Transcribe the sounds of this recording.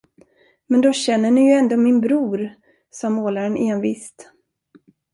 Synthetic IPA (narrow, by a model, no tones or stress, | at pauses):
mɛnd̪ɔɕɛnːəɳɪjɵɛnd̪oːmɪnbɾuːɾ | sɑːmoːlaɾənʔeːnvḭːst̪